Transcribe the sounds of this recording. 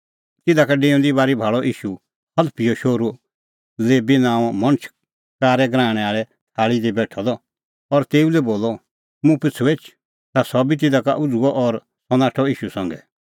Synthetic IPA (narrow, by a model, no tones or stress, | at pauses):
t̪ɪd̪akaɖẽːʊ̃nd̪ibaːɾibʱaːɭɔʔiːʃu | hɐd̪pijɔʃoːɾu | leːbinãːmɐ̃ñət͡ʃʰ | kaːɾɛɡɾãːɽ̃ɛ̃aːɭɛ | t̪ʰaːɭid̪ibɛːʈʰɔd̪ɔ | ɔɾt̪eːulɛboːlɔ | mũpɪt͡sʰːueːt͡ʃʰ | t̪asɔbit̪̬ɪd̪aka̰ʔʊd͡zuɔʔɔɾ | sɔnaːʈʰɔiːʃusɐ̃ŋɡɛ